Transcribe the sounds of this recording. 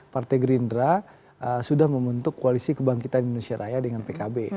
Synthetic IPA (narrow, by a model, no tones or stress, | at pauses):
part̪ajɡɾindɾa | ʔəsudahməmbənt̪ʊkːoalisikəbaŋkit̪animanusiaɾʔajadəŋanpekabe